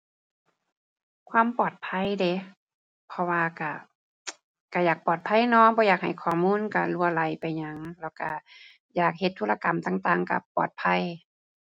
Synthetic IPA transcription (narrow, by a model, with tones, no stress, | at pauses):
kʰwaː˧˥˨mpɔː˨˩t̪̚pʰa˧˥˨jde˧˨ | pʰɔ˧waː˧ka˧˩ | ka˧˩jaː˨˩k̚pɔː˨˩t̪̚pʰa˧˥˨jnɔː˧˨bɔː˧˦jaː˨˩k̚ha˨˩jkʰɔː˨˩muː˧˥˨nka˧˩lu˧ɐla˧˩jpa˨jɲa˧ŋlɛː˧˩wka˧˩ | jaː˨˩k̚he˧t̪ʰːuː˧˥la˧ka˨˩mt̪aː˨˩ŋt̪aː˧˩ŋka̰˧˩pɔ̰ː˨˩t̪̚pʰa˧˥˨j